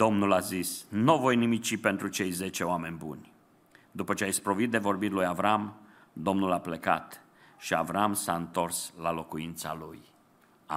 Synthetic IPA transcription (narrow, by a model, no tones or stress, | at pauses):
d̪̥o̞mnulazisnuvo̞jnimit͡ʃipe̞nt̪ɾut͡ʃe̞jze̞t͡ʃe̞oame̞nʲbṵnʲ | d̪upət͡ʃeajspɾo̞vit̪̚d̪e̞vo̞rbirʲlujavɾam | d̪o̞mnulaple̞ka̰t̪ | ʃia̰vɾamsaɨnt̪o̞rslalo̞kuint̪sa̰luj | a